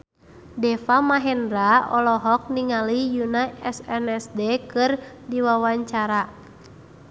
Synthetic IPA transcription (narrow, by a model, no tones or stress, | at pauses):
dɛfamaɦɛnɾaɔlɔɦɔk̚niŋalijunaɛsɛnɛsdɛkɨr | diwawaɲt͡ʃaɾa